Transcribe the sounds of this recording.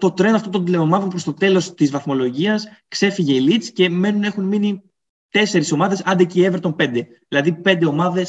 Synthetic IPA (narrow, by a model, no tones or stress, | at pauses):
t̪o̞t̪ɾe̞nɐft̪ot̪nd̪ile̞omɐðonpɾost̪o̞t̪e̞lo̞st̪izvɐθmo̞lo̞ʝiɐskse̞fiʝe̞ilit̪sce̞me̞nune̞xunmini | t̪e̞se̞ɾiso̞mɐðe̞sɐnd̪ecievɾt̪o̞npe̞nd̪e̞ | ðilɐðipe̞nd̪e̞o̞mɐðe̞s